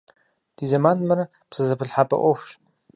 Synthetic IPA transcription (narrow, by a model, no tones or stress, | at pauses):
d̥iːzɐmaːnmɐɾɐ | psɨzɐpʰɨɬħapʼɐ̰ʔʷɔxʷʃ